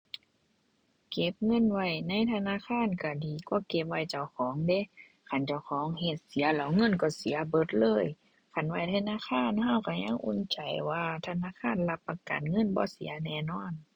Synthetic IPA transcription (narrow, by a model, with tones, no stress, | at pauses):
ke˧˥p̚ŋɤ˧˥˨nwa˧˩˨jna˧˥˨jt̪ʰa˧naː˧˥˨kʰaː˧˥˨nka˧˩diː˨˩kwɔː˧˩ke˧p̚wa˧˩˨jt͡ɕa˧˩wxʰɔː˨˦ŋde˧˦˨ | kʰa˧˨˩nt͡ɕa˧˩wxʰɔː˨˦ŋhe˧t̪̚si˨˦ɐla˧˩˨wŋɤ˧˥˨nkɔː˧˩si˨˦ɐbɤ˧˦t̪̚lɤː˧˥˨j | kʰa˧˩nwa˧˩˨jt̪ʰa˧naː˧˥˨kʰaː˧˥˨nha˧˨wka˧˩ɲa˧˥˨ŋʔṵ˧˥˨nt͡ɕa˨˦jwaː˧t̪ʰa˧˥˨naː˧˥˨kʰaː˧˥˨nla˧pːa˧ka̰˨nŋɤ˧˥˨nbɔ̰ː˧˦sḭ˨˦ɐnɛː˧˩˨nɔː˧˥˨n